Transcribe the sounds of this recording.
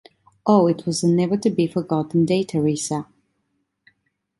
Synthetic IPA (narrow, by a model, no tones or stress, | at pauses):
ʔoʊɪt̚ʰwʌzənɛvə˞tɨbifə˞ɡɑʔn̩deɪtʰəɹisə